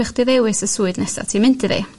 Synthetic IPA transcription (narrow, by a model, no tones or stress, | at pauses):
ɪχd̥iðewɨsəsuːɨdnɛsa̰tʰiːmɪntɨðḭ